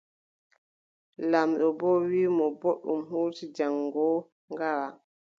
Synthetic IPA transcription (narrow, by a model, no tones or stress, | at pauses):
lamɗɔbɔːwiːmɔboɗːumhoːtid͡ʒaŋɡɔː | ŋɡawa